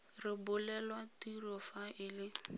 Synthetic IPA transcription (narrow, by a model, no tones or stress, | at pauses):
rɪbʊlɛlwatirɔfaɪlɪ